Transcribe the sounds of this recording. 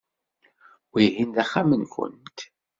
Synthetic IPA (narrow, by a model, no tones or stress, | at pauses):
wihind̪æχːamənkʷʊ̰nt̪